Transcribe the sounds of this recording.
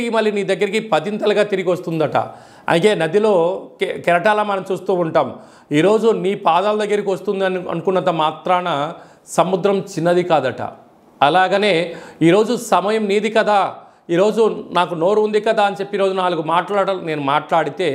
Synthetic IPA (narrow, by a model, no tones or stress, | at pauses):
imɐlːjiniːd̪ɐɡːɐɾikipɐt̪int̪ɐlɐɡaːt̪iɾiɡiʋɐst̪und̪ɐʈɐ̰ | ɐ̰nike̞ːnɐd̪ilo̞ːkɛɾɐʈaːlɐmɐnɐmt͡ʃuːst̪uːuɳʈaːm | iːɾo̞ːd͡ʒuniːpaːd̪aːlɐd̪ɐɡːɐɾikiʋɐst̪und̪ɐnɐ̰nukunːɐt̪ɐmaːt̪ɾaːnɐ | sɐmud̪ɾɐmt͡ʃinːɐd̪ikaːd̪ɐʈɐ̰ | ɐlaːɡɐneːiːɾo̞ːd͡ʒusɐmɐjɐmniːd̪ikɐd̪aː | iːɾo̞ːd͡ʒunaːkuno̞ːɾuund̪ikɐd̪aːɐnit͡ʃepːiɾo̞ːd͡ʒunaːluɡumaːʈlaːɽɐne̞ːnumaːʈlaːɽit̪e̞ː